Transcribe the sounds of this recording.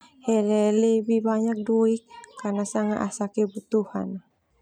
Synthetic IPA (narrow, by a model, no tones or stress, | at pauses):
hɛlɛlebibaɲak̚doikʰːanasaŋaʔasakebut̪uha̰n